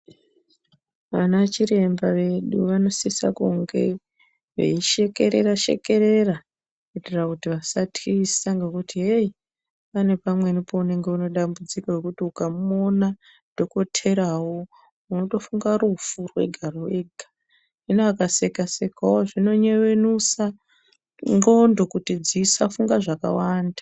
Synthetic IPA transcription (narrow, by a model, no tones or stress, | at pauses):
ʋanat͡ʃiɾe̞mbaʋe̞ɗuʋano̞sisa̰kuŋɡe̞̰ | ʋḛiʃekeɾeraʃḛke̞ɾe̞ra | kuiterakutiʋasatʰisaŋɡekutʰiɦei | pane̞pamwe̞nipo̞une̞ŋɡe̞uno̞ɗambud͡zikawekutiukamuona | d̥ʱo̞ko̞tʰe̞ɾawo̞ | uno̞to̞fuŋɡarufurwe̞̰ɡʱaroeɡʱa | inoakase̞kase̞kawoʐino̞ɲe̞ʋe̞nusa | ŋɡo̞ndo̞kutid͡zisafuŋɡaʐaka̰waːnda